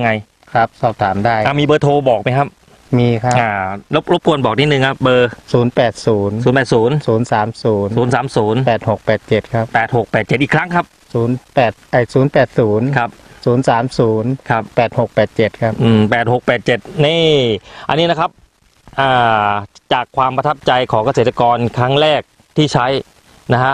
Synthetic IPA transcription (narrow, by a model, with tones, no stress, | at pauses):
ŋa˧j | kʰa˦˥p̚sɔː˨˩p̚t̪ʰaː˩˦mdaː˥˩jʔa˧˩miː˧bɤː˧t̪ʰoː˧bɔː˨˩k̚ma˧jkʰa˦˥p̚ | miː˧kʰa˦˥ʔaː˧˩lo˦˥p̚lo˦˥p̚ku˧ənbɔː˨˩k̚ni˦˥t̪̚nɯ˨˧ŋkʰa˦˥p̚bɤː˧suː˩˦npɛː˨˩t̪̚suː˩˦nsuː˩˦npɛː˨˩t̪suː˩˦nsuː˩˦nsaː˩˦msuː˩˦nuː˨˩˦nsaː˩˦msuː˩˦npɛː˨˩t̪̚ho˨˩k̚pɛː˨˩t̪̚t͡ɕe˨˩t̪̚kʰa˦˥p̚pɛː˨˩t̪̚ho˨˩k̚pɛː˨˩t̪̚t͡ɕe˨˩t̪̚ʔiː˨˩kʰɾa˦˥ŋkʰa˦˥p̚ | suː˩˦npɛː˨˩t̪̚ʔa˧˩jsuː˩˦npɛː˨˩t̪̚suː˩˦nkʰa˦˥p̚ | suː˩˦nsaː˩˦msuː˩˦nkʰa˦˥p̚pɛː˨˩t̪̚ho˨˩k̚pɛː˨˩t̪̚t͡ɕe˨˩t̪̚kʰa˦˥p̚ʔɯː˨˩mpɛː˨˩t̪̚ho˨˩k̚pɛː˨˩t̪̚t͡ɕe˨˩t̪̚niː˥˩ʔa̰˧nːiː˦˥na˦˥kʰa˦˥p̚ | ʔaː˨˩t͡ɕaː˨˩kʰwaː˧mpɾa˧t̪ʰa˦˥p̚t͡ɕa˧jkʰɔː˩˦ŋka˧seː˨˩t̪ːa˧kɔː˧nkʰɾa˦˥ŋɾɛː˥˩k̚ | t̪ʰiː˥˩t͡ɕʰa˦˥j | na˦˥ha˦˥ʔ